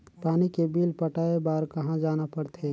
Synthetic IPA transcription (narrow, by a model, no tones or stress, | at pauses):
paːnikebiːlpəʈaːebaːɾkɐɦãd͡ʒaːnapɐɽt̪ʰe